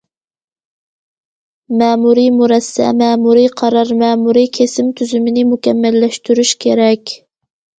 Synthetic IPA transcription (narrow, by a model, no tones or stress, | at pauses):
mɛːmuɾimuɾɛsːɛ̰mɛːmuɾiqʰɑɾɑɾmɛːmuɾikʲʰesɪmt̪ʰyzymɪnɪmukʲɛmːɛlːɛʃt̪yɾyʃkʲʰeɾɛkʲ